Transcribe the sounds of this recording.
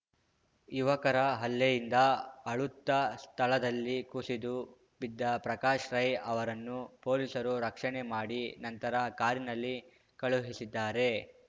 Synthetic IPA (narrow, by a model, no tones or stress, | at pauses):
juʋɐkɐɾɐɦɐlːejind̪ɐɐɭut̪ːɐst̪ʰɐɭɐd̪ɐlːikusid̪u | bid̪ːɐpɾɐkaːʃɾɐjɐʋɐɾɐnːupo̞ːliːsɐɾuɾɐkʂɐɳemaːɽinɐnt̪ɐɾɐkaːɾinɐlːi | kɐɭuɦisid̪ːaːɾe̞